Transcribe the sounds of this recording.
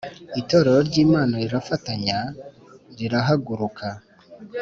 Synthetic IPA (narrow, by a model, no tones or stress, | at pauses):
ito̞ɾeɾoɾɟiːmaːno̞ɾiɾafataɲa | ɾiɾaɦaɡuɾukʰa